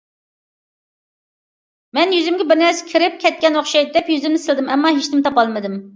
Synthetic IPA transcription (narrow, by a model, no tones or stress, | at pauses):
mɛnjyzɪmɡʲɛbɪɾnɛɾsɪ̥kʲʰiɾɪp̚kʲʰɛt̪̚kʲɛnoχʃɑj̪̚d̪ɛpjyzɪmnɪsɪld̪ɪmɛmːɑɦeʃt̪ɪmt̪ʰɑpɑlˠmɨd̪ɪm